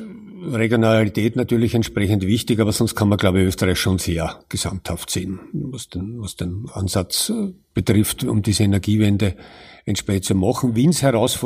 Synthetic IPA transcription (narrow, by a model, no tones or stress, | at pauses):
ʁeɡjonalitʰɛːtnatyːɐlɪçɛntʃpʁɛçəntvɪçtɪçaːbɐsɔnst̚kʰanmɐɡlaʊbəøːstɐʁæɪçʃoːnseːɐɡ̥əsa̰m̚t̪haftseːnvasd̥envɑsd̥ena̰nsat͡sb̥ətʁɪftʊ̰md̥iːzəenɛɐɡiːvɛndəɛntʃpʁ̥ɛçəntt͡sumɑχŋ̩vinshɛɐʁaʊsfɔ